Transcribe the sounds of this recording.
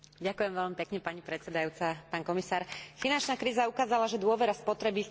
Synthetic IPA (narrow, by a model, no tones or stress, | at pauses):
ɟakʊjɛmʋɛʎmipɛkɲɛpaɲipɾɛt͡sɛd̪ajut͡sapaːnkɔmisaːɾfinant͡ʃnaːkɾiːzaukaːzalaʒɛd̪ʊɔʋɛɾaspɔt̪ɾɛbi